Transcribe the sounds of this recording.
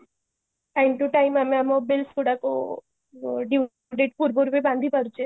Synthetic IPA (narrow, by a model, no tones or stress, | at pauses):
ɛɳʈuʈajmameamobelskuɽako | ɖi | ɖeʈpuɾbuɾbibãnd̪ʱipəɾut͡ʃʰe